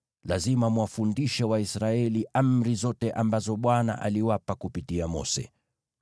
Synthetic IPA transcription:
lazimamuwafundiʃɛwaisɾaɛliʔam̩ɾizɔtɛʔambazɔɓwana̰ʔa̰liwapakupitiamɔ̰sɛ̰

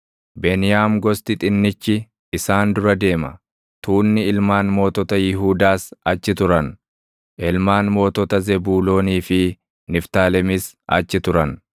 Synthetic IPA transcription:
bɛnɪjaːmɡɔst̪ɪt̪ʼɪnːɪt͡ʃːɪː | saːnd̪ʊɾɐd̪e̞ːmɐ | t̪uːnːɪɪlmaːnmo̞ːt̪ɔt̪ɐjɪɦuːd̪aːsɐt͡ʃːɪt̪ʊɾɐn | ʔɪlmaːnmo̞ːt̪ɔt̪ɐzɛbuːlo̞ːniːfɪ | nɪft̪aːlɛmɪs | ʔɐ̰t͡ʃːɪt̪ʊɾɐn

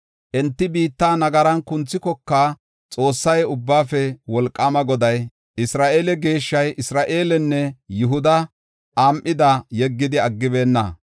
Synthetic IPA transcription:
ʔɛnt̪ːɪbiːt̪ːaːnɐɡɐɾɐnkʊnt͡sːɪkɔkːaː | t͡sʼo̞ːsːɐjʊbːaːfɛwɔlkʼːɐmɐɡɔd̪ɐj | ɪsɾaːʔeːlɛɡe̞ːʃːɐjʔɪsɾaːʔe̞ːlɛnːɛjʊɦʊd̪ɐ | ʔaːmʔːɪd̪ɐjɛɡːɪd̪ɪɐɡːɪbe̞ːnːɐ̰

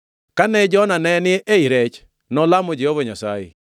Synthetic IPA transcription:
kanɛd͡ʒɔnanɛnɪʔeiɾɛt͡ʃ | nɔlamod͡ʒehovɔɲasa̰jḛ

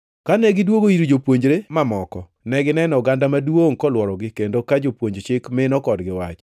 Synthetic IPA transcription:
kanɛɡɪdwoɡoiɾod͡ʒopwoɲd͡ʒɾemamɔkɔ | nɛɡɪnɛnɔɡandamadwoŋkɔlwɔɾɔɡɪkendokad͡ʒopwoɲd͡ʒt͡ʃɪkmɪnɔkɔdɡɪwat͡ʃ

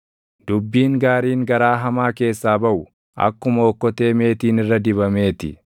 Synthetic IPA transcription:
d̪̥ʊbːiːŋɡaːɾiːŋɡɐɾaːɦɐmaːke̞ːsːaːbɐʔʊ | ʔɐ̰kːʊmɐːkːɔt̪e̞ːme̞ːt̪iːnɪrːɐd̪ɪβɐme̞ːt̪ɪ̰

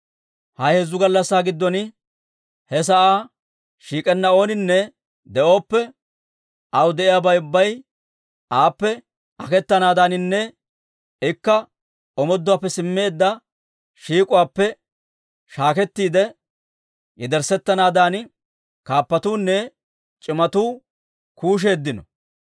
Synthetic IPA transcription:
hɐjhɛzːʊɡɐlːɐsːaːɡɪd̪ːɔn | hɛs̬ɐʔaː | ʃiːkʼɛnːɐo̞ːnɪnːɛ | d̪ɛʔo̞ːpːɛ | ʔɐwd̪ɛʔɪjaːbɐjʊbːɐj | ʔaːpːɛ | ʔɐkɛt̪ːɐnaːd̪aːnɪnːɛ | ɪkːɐ | ɔmɔd̪ːʊwaːpːɛsɪmːe̞ːd̪ːɐ | ʃiːkʼʊwaːpːɛ | ʃaːkɛt̪ːiːd̪ɛ | jɛd̪ɛɾsɛt̪ːɐnaːd̪aːn | kaːpːɐt̪uːnːɛ | t͡ʃʼɪmɐt̪uː | kuːʃ̬e̞ːd̪ːɪnɔ

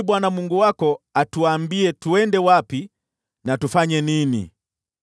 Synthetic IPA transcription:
ɓwanamuŋɡuwakɔatuaːmbiɛtuɛndɛwapi | natufaɲɛninḭ

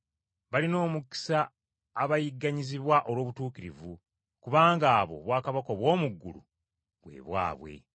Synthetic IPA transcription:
βalino̞ːmuki̥saː | βajiɡːaɲiziβwaʔo̞lwo̞ːβutuːkiɾivu | kuβaːŋɡaːβo̞̰βwaːkaβako̞βwo̞ːmuɡːṵlṵ | βwḛːβwa̰ːβwe̞̰

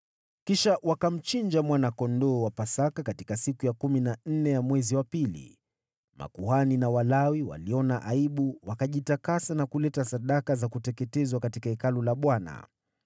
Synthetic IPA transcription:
kiʃawakam̩t͡ʃind͡ʒamwanakɔndɔːwapasakakati̥kasikujakuminan̩nɛjamwɛziwapilḭ | ma̰kuhaninawalawiwa̰liɔnaʔaiɓuwakaʄitakasanakulɛtasaɗakazakutɛkɛtɛzwakatikaɛkalɔlaɓwana̰

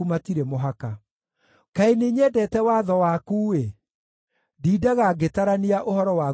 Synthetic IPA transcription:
umatiɾɛmoɦaka | kaeneɲɛːdɛtɛwaːðɔwaːkuːwe | diːdaɣaɡetaɾaniaʔohɔɾɔwa

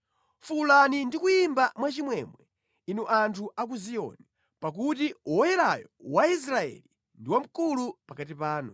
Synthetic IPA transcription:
fulanindikuimbamwat͡ʃimwɛmwɛ | inuʔantʰuʔak̬uzijɔ̰ni | pak̬utiuwɔjɛɾajɔwais̬ɾaɛ̰li | ndiwam̩kulupakatipaːnṵ

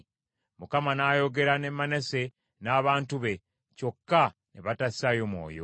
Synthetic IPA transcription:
mukamanaːjo̞ɡe̞ɾane̞mːane̞se̞ | naːβaːntuβe̞ | co̞kːaneβatassajo̞mwo̞̰ːjo̰

